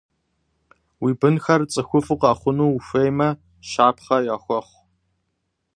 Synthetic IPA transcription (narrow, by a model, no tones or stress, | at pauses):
wiːbɨnxɐrt͡sʼɨxʷʊfɨqaːχʷʊnuːufejmɐ | ʃaːpʰχɐjaːxʷɔχʷ